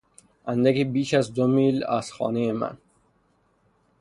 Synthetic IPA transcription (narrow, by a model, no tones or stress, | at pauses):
ænd̪ækibiːʃazd̪omiːlæ̰z̥xɒ̰ːnejemæ̰n